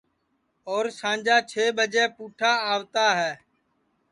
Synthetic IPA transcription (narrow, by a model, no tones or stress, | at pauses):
oːɾsãːnd͡ʒaːt͡ʃʰeːɓəd͡ʒɛːpuːʈʰaːaːʋt̪aːɦɛː